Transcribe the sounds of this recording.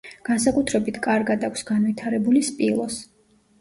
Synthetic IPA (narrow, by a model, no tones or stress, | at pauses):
ɡ̥ansakʼut̪ʰɾɛbit̪ʰkʼaɾɡad̪akʷʰsɡanvit̪ʰaɾɛbulispʼilˠɔs